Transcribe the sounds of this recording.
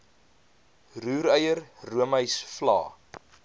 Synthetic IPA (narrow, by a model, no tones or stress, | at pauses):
ruːɾəjərruəməjsflɑ̰ː